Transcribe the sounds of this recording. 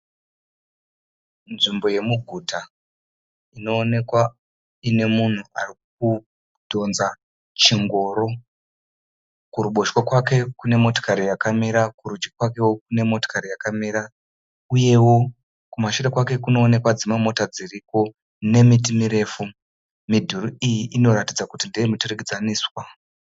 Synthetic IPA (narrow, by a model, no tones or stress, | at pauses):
nʐimbo̞je̞muɡʱuta | ino̞ːne̞kwa | ine̞mun̤ua̰rik̚u | dʱo̞nza | t͡ʃiŋɡo̞ːɾo̞ | kuɾuɓo̞ʃwokwake̞kune̞mo̞to̥kaɾijakamiɾakuɾud͡ʒɡikwake̞wok̚une̞mo̞to̥kaɾijakamiɾa | uje̞wo̞ | kumaʃuɾekwake̞kuno̞ːne̞kwad͡zimwe̞mo̞tad͡ziriko̞ | ne̞mit̬imiɾe̞fu | midʱuruijiʔino̞ɾatid͡zakutindejemuturekid͡zaniːswa